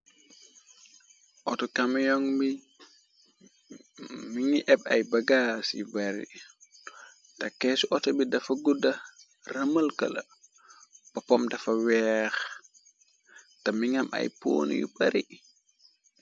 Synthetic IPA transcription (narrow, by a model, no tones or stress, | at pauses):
ʔɔtɔkɐmjɔŋbi | miŋiʔɛbɐ̰jbɐɡasḭbɐɾḭ | tɐkːɛsuʔɔtɐbidɐfɐɡudɐ | rɐmɐlkɐ̰lɐ̰ | b̥ɐpɔmdɐfɐwɛːx | tɐmiŋɐmʔɐ̰jpo̰ːn̰jṵbɐɾi